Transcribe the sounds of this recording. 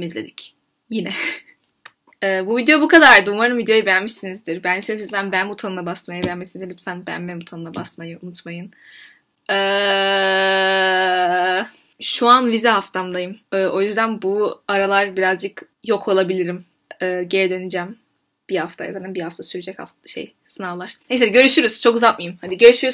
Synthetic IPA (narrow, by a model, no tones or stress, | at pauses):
mizlʲḛd̪ic | jinɛ | ɛːbuvid̪eobukad̪aɾɾd̪umaɾnɯmvid̪ejojubɛjanmiʃsinizd̪iɾbænisensʲyt̪fænbænmut̪ʰanɯnabast̪majabɛænmesinzlʲyt̪fænbæ̰nmɛmut̪ʰanɯnˠabast̪majɯunut̪majɯn | ɛː | ʃuanvizɛɦaft̪ʰamd̪ajɯmɛːʔo̞jyzd̪ænbuaɾalˠaɾbiɾazd͡ʒɯk | jo̞kʰo̞lˠabilʲiɾim | ɯːɟeɾɛd̪ø̞nyd͡ʒæm | b̥ihaft̪ʰaja̰zananbihaft̪ʰasyɾyd͡ʒɛcha̰ftʃḛj | sɯnalˠaɾ̥neseɟø̞ɾyʃyɾyz̥t͡ʃʰokɯzat̪̚majɯmhad̪iɟø̞ɾyʃyɾyz